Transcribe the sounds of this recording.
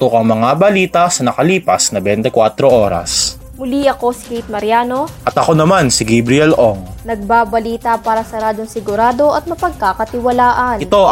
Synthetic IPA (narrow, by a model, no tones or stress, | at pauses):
t̪okɐŋmɐŋabɐliːt̪ɐsɐnɐkɐliːpɐsnɐbɛnt̪ɛkwat̪ɾoʔoːɾɐ̰s | mʊliʔɐko̞sɪ̥kejt̪̚mɐɾɪjaːno̞ʔɐt̪ɐko̞nɐmansɪɡɛbɾɪɛlʔoŋnɐɡ̚babɐliːt̪ɐpaːɾɐsɐɾaːd̪oŋsɪɡʊɾaːd̪o̞ʔɐt̪̚mɐpɐɡ̚kakɐt̪ɪwɐlaːʔɐnɪt̪o̞